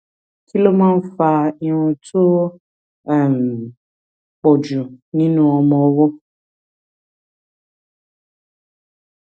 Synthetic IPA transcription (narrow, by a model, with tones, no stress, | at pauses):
ki˦lo˦mã˦n̩˦fa˧ĩ˨w̃ɔ̃˧tʰo˦ | ɛ˦˨m˨ | k͡pɔ˨d͡ʒu˨nĩ˦nũ˧˦ɔ˧mɔ̃˧˦wɔ˦